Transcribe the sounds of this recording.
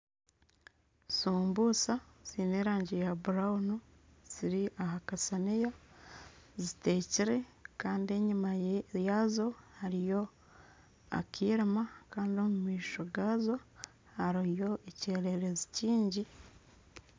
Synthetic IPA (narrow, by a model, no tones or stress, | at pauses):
suːmbuːsaz̥ineːɾaːɲɟejabuɾaunu | z̥iɾiaɦakasanija | zite̞ːciɾe̞kaːndie̞ɲumajazo̞haɾijo̞ | a̰kiːɾimakaːndiomumwiːʃoɡaːzo̞ | haɾujo̞ʔeceːɾe̞ɾeziciːɲɟi